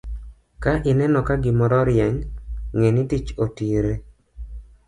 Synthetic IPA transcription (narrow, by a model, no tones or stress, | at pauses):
kaʔɪnɛnɔkaɡɪmɔɾɔɾjɛŋŋenitit͡ʃotiɾe